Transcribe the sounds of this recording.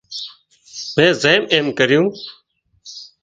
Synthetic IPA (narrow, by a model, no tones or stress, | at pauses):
mẽːzeːmeːmkəɾɪjũː